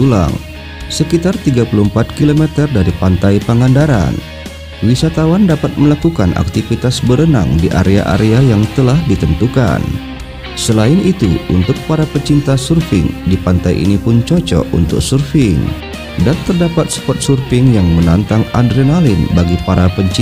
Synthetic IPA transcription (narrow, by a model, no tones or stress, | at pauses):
ula̰ŋ | səkit̪art̪iɡapuluhəmpat̪̚kilomɛt̪ərdaɾipant̪ajpəŋandaɾa̰n | wisat̪awandapat̪̚məlakukanʔa̰k̚t̪ifit̪asbəɾəna̰ŋdiʔa̰ɾea̰ʔa̰ɾeajaŋt̪əlahdit̪ənt̪uka̰n | səlaɪnit̪ṵʔṵnt̪ʊk̚paɾapəɲt͡ʃint̪asurfɪ̰ŋdipant̪ajʔḭnipʊnt͡ʃɔt͡ʃɔ̰ṵnt̪ʊ̰k̚surfɪŋ | dant̪ərdapat̪̚sə̥pɔt̪̚surfɪŋjaŋmənant̪aŋadɾenalɪnbaɡipaɾapəɲt͡ʃ